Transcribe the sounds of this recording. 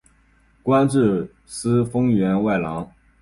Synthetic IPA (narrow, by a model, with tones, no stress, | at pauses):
kwa˥nʈ͡ʂɻ̩˥˩ | sɹ̩˥fɤ˥ŋɥɛ˧˥nwa˥˩ɪlɑ˧˥ŋ